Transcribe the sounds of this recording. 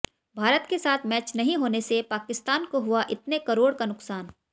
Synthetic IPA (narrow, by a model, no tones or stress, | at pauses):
bʱaːɾət̪kesaːt̪ʰmɛːt͡ʃnɐɦĩɦoːnesepaːkɪst̪aːnkoɦʊaʔɪt̪nekɐɾoːɽkanʊksaːn